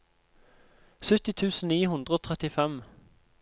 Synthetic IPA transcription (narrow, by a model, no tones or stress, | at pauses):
sʉt̪ɪt̪ʰʉːsn̩niːhʉnd̪ʁəoːt̪ʰʁɛt̪ɪfɛm